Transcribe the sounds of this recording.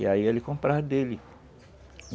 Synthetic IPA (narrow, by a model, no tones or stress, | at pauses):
ɪaiɛlɪkõmpɾaɾd̪elɪ